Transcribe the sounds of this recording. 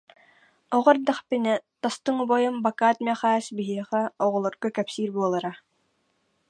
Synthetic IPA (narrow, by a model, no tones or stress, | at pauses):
ɔʁɔɾd̪aχpinɛt̪ast̪ɯŋubɔjɯmbakaːt̪mʲɛχaːsbiɦiɛχɛɔʁɔlˠɔɾɡɔkɛpsiːɾbuɔlˠaɾa